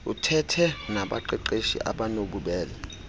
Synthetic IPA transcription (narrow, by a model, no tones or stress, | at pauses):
utʰɛtʰɛnaɓa̰ǃɛǃeʃḭʔa̰ɓanoɓuɓɛːlɛ